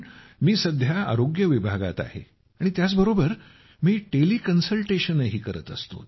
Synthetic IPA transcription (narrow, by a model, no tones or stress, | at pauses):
miːsəd̪ʱjaa̰ɾoɡjəʋibʱaɡa̰t̪a̰hḛ | aɽ̃it̪jat͡sbəɾobəɾ | miːʈeliːkənsəlʈeɕənəɦiːkəɾət̪əst̪o̰